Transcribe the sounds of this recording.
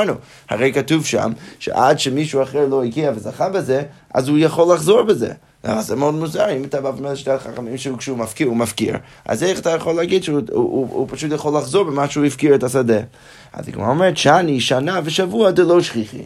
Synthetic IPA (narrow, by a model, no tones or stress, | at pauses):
nu | ha̰ʁejkatuvʃa̰mʃɛ̰ʔadʃəmiʃuaχɛɹlˠoiɡiavəzaχabəzɛʔa̰zhujaχolaχzoɹbəzɛ̰ | la̰vazɛmodmuzaɾimətabavmelʃteaχaχamimʃəkʃumafkiɹumafkḭɹ | a̰zeχatʰajaχolːɛaɡidʃuṵpʰaʃutjaχolaχzoɹbəmaʃuifkiɹɛtasadɛ | a̰za̰ɡma̰omɛɾtʃaniʃanavəʃavuadɛlˠoʃχiχḭ